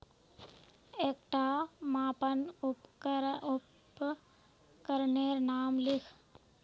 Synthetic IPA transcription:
eːkʈaːmaːpənʊpkəɾʊp | kəɾneːɾnaːmlɪkʰ

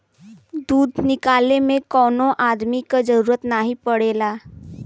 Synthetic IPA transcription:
d̪uːd̪ʱnɪkaːlemẽkɔːnõʔaːd̪mikad͡ʒəɾuːɾət̪naɦipəɽeːlaː

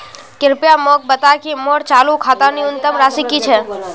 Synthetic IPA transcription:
kɪɾpjamoːk̚bət̪akimoːɾt͡ʃaːlukʰaːt̪aniʊnt̪əmɾaːsikit͡ʃʰɛː

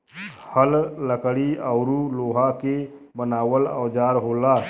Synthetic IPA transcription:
həlːəkɽiaʊɾuloːɦake | bənaːwələːd͡ʒaːɾɦoːla

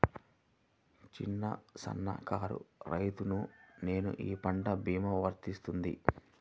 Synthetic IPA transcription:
t͡ʃinːɐ̰sɐ̰nːɐ̰kaːɾṵɾɐjt̪unune̞ːnṵʔiːpɐɳɖɐbʱiːmɐʋɐɾt̪ist̪und̪ḭ

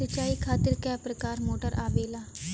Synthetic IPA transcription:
sət͡ʃaːiːkʰaːt̪ɪɾkɛːpɾəkaːɾmoːʈəɾʔaːʋeːlaː

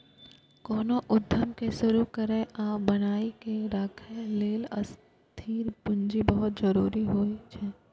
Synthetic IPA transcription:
kɔːnoʔʊd̪ʱjəmkesʊɾukɐɾẽʔãːbɐnaːikeɾakʰeleːlɐ̰s | t̪ʰiːɾpʊnd͡ʒibɐɦʊt̪̚d͡ʒɐɾuːɾiɦoːit͡ʃʰɛː

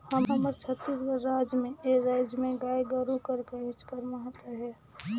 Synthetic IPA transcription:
həmɦəməɾt͡ʃʰət̪ːisɡəɾːad͡ʒmeeɾaɪd͡ʒmẽɡajɡəɾukəɾkeɦɪt͡ʃkəɾmaɦt̪eɦɛ

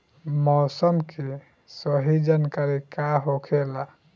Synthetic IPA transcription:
mɔsəmkʰe | səɦid͡ʒankaɾikaɦokʰela

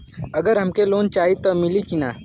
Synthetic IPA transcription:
ɐɡəɾɦɐmkeloːnt͡ʃaːɦit̪omɪlikinaː

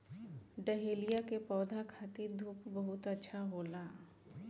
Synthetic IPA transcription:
ɖəɦeːlijakepɔːd̪ʱakʰaːt̪id̪ʱuːpbɐɦʊt̪ətːʃʰaɦoːlaː

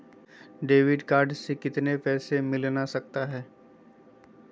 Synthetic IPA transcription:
ɖeːʋɪɖkaːɾɖsekɪt̪nepɛːsemɪlnasɐk̚t̪aɦɛː

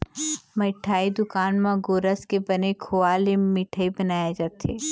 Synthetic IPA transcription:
mɐʈʰaːid̪ʊkaːnmãɡoːɾəskebɐnekʰoːaːlemɪʈʰəibɐnaːjad͡ʒaːt̪eː

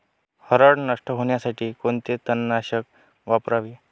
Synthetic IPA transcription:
həɾəɽnəʂʈəɦoɳjasaʈʰiːkont̪et̪ənːaɕək | ʋapɾaʋi

